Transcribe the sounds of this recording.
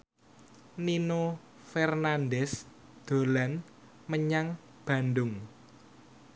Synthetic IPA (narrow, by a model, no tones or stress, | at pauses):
nino | fɛrnandɛs | d̪̥o̤lan | məɲaŋ | b̥ä̤ndʊŋ